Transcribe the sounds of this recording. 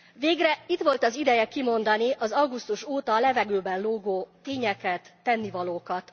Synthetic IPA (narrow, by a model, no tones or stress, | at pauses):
ʋeːɡrɛit̪ʋo̞lt̪ɒzid̪ɛjɛkimo̞nd̪ɒniʔɒzɒwɡust̪uʃoːt̪ɒlɛvɛɡøːbɛnloːɡoːt̪eːɲɛkɛt̪ːɛnːivɒloːkɒt̪